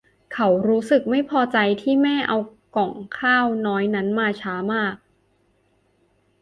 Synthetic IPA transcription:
kʰa˦˩wɾuː˦˥sɯ˨˩k̚ma˥˩jpʰɔː˧t͡ɕa˧jt̪ʰiː˥˩mɛː˥˩ʔa˧wkɔ˨˩˦ŋkʰaː˥˩wnɔː˦˥jna˦˥nmaː˧t͡ɕʰaː˦˥maː˥˩k̚

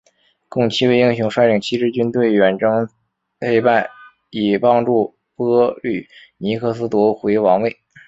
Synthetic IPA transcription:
kʊ˥˩ŋt͡ɕʰi˥we˥˧ɪi˥ŋɕjʊ˧˥ŋʂwa˥ɪʈ͡ʂi˨˩ŋt͡ɕʰi˥ʈ͡ʂɻ̩˥˧t͡ɕy˥nt̪we˥˩ɪɥɛ˨˩nʈ͡ʂɤ˥ŋ | e˥ɪpa˥˩ɪ | i˨˩pɑ˥ŋʈ͡ʂu˥˩ | pɤ˥ly˥˩ | ni˧˥kʰɤ˥˩sɹ̩˥t̪wɔ˧˥xwe˧˥wɑ˧˥ŋwe˥˩ɪ

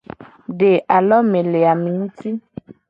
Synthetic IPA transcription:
ɖe˨ʔa˨lɔ˦mẽ˨le˨a˨mĩ˨ŋ̩˦ti˦

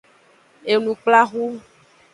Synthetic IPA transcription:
e˨nũ˨k͡pla˦ɣu˦

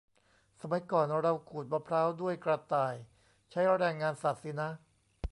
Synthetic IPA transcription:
sa˧ma˨˦jkɔː˨˩nɾa˧wkʰuː˨˩t̪̚maː˧pʰɾaː˦˥wdu˥˩əjkɾa˧t̪aː˨˩j | t͡ɕʰa˦˥jɾɛː˧ŋːaː˧nsaː˨˩t̪̚si˧˦˥na˦˥

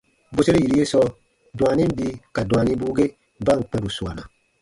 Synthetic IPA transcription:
bu˦se˦ɾe˦ji˨ɾi˦je˦sɔ˧ | dũ˨a˨nĩ˦m˦bi˧ka˨da˨nĩ˦buː˦ɡe˦ | ba˦˨ŋ̩˨k͡pɛ̃˦bu˨su˨a̰˨na̰˨

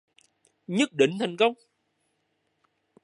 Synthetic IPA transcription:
ɲə˦˥t̚ɗḭ̈˧˨ŋ̟t̪ʰa˨˩jŋ̟kə˧wŋ͡m

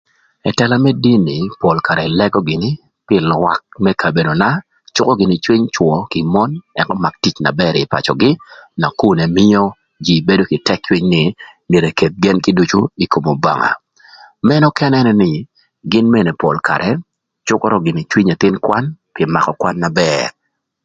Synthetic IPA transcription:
ɛ˨tɛ˨la˦mɛ˦di˦nɪ˨pɔ˨lka˨ɾɛ˨lɛ˦ɡɔ˦ɡɪ˨nɪ˦ | pɪ˨lwa˦k̚mɛ˦kʰa˨be˨no˨na˦ | t͡ʃʊ˦kɔ˦ɡɪ˨nɪ˨t͡ʃwi˦ɲt͡ʃwɔ˨kɪ˨mɔ˦nɛ˨kɔ˦ma˨k̚ti˦t͡ʃna̰˨bɛ˦ɾɪ˨pa̰˨t͡ʃɔ̰˨ɡɪ˦na˨ku˦nɛ˨mɪ˦o˦ | d͡ʒi˨be˦do˦kɪ˨tɛ˦k̚t͡ʃwi˦ɲnɪ˨ni˨ɾe˨ke˨t̪̚ɡɛ˦nkɪ˦du˦t͡ʃu˦i˨kʰo˨mo˨ba̰˨ŋa̰˨ | mɛ˦nɔ˦kɛ˦nɛ˦nɛ˦nɪ˨ | ɡɪ˦nme˦˨ne˨pɔ˨lkʰa̰˨ɾʔɛ˨ | t͡ʃʊ˦kɔ˦ɾɔ˦ɡɪ˨nɪ˨t͡ʃwi˦ɲe˨t̪ɪ˦nkwa˦npɪ˨ɛ˨ma˨kɔ˨kwa˦nːa˨bɛ˦ɾ

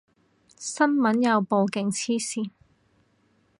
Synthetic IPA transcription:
sɐ˥nmɐ˨˥njɐ˨˧wpo˨˧wkɪ˨ŋt͡sʰiː˥siː˨˧n

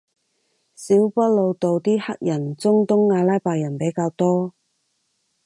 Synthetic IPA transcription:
siː˨˥wpɐ˥t̚lo˧wt̪o˨wt̪iː˥hɐ˥k̚jɐ˨˩nt͡sʊ˥ŋt̪ʊ˥ŋːaː˨˧laː˥jpaː˨˧jɐ˨˩npe˨˥jkaː˧wt̪ɔː˥

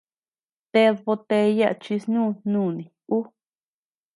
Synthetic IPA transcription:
t̪e˧ðβo˧t̪e˧ja˦ʔt͡ʃi˧snũː˦˨nũː˦˨nĩ˨u˦

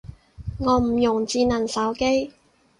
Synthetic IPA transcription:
ŋɔː˨˧m̩˨˩jʊ˨˩ŋt͡siː˧nɐ˨˩nsɐ˨˥wke˥j

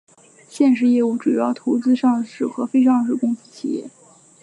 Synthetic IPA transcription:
ɕjɛ˥˧nʂ̬ɻ̩˥˧jɛ˥˧u˥˩ʈ͡ʂu˨˩jɑ˥˩ʊt̪ʰo˧˥ʊt͡sɹ̩˥ʂɑ˥˧ŋʂɻ̩˥˩xɤ˧˥fe˥ɪʂɑ˥˧ŋʂɻ̩˥˩kʊ˥ŋs̩˥˩t͡ɕʰi˨˩jɛ̰˥˩

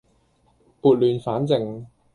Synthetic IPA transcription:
puː˨˧t̚lyː˨˧nfaː˨˥nt͡sɪ˨ŋ

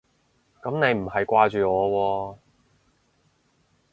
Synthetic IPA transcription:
kɐ˨˥mne˨˧jm̩˨˩hɐ˨jkʷaː˧t͡ʃyː˨ŋɔː˨˧wɔː˧

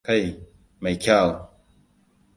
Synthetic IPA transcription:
ka˦˨j | ma˨jkʲa˦˨w

